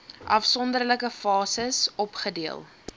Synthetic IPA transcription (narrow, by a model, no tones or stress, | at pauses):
ʔɐfsɔndərləkəfɑːsəsɔpχədiəlˠ